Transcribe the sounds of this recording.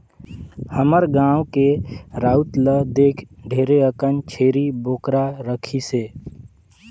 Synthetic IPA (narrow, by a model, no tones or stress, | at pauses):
həməɾɡãːwkeɾaːut̪ləd̪eːkʰɖʱeːɾeəkənt͡ʃʰeːɾiboːkɾaɾəkʰiseː